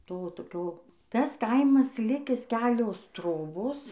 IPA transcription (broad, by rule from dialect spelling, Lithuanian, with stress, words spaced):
ˈtoː toːˈkʲoː ˈtɐs ˈkɐɪmɐs ˈlʲɪkʲɪs ˈkʲæːlʲoːs ˈtroːboːs